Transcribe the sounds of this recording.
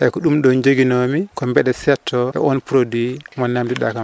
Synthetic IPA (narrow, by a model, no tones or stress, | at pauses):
ʔɛkɔɗumɗɔnd͡ʒoɡinomikɔmbɛɗɛsɛtʰːɔʔɛ̰ʔɔnpɾodwimɔnːamdiɗa̰kam